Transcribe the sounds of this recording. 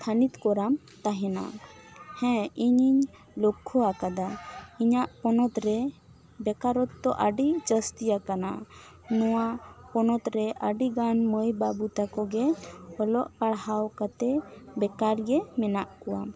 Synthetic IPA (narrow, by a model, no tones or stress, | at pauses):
k̪ʰanit̪kɔɾam | t̪aɦɛna̰hɛ̃iɲiɲ | lɔkʰːɔakad̪aiɲaʔpɔnɔt̪ɾɛ | bɛkaɾɔt̪ːɔʔaɖit͡ʃəst̪ijakana̰ | nɔwapɔnɔt̪ɾɛʔaɖiɡanməjbabut̪akɔɡɛɔlɔʔpaɽhawkat̪ɛbɛkaɾɡɛmɛnaʔkɔwa